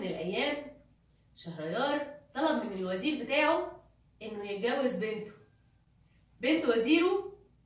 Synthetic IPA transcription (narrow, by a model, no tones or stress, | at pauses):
nelʔæjːæːm | ʃæhɾˤɑjɑːɾˤt̪ˤːɑlɑbmenelwæziːɾbet̪aːʕo | ʔenːojeɡæwːezbent̪o̥ | bent̪wæziːɾo